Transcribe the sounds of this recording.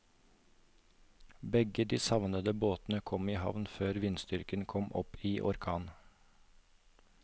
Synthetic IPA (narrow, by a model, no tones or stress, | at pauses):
bɛɡəd̪iːsɑʋnəd̪əboːt̪n̩əkʰɔmiːhɑ̰ʋnføːɾʋɪnst̪ʏɾkənkʰɔmʔɔ̰piːʔɔɾkʰɑːn